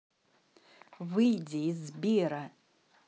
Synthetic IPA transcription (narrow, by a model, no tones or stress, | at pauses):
vɨjdʲeizbiɾa